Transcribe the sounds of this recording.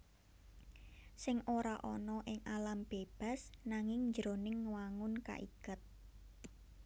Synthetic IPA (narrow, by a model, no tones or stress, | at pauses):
sɪŋoɾaʔɔnɔʔɪŋalamb̥eb̥a̤snaŋɪŋɲd͡ʒəɾonɪŋwaŋʊnka̰ʔḭɡ̥ət̪̚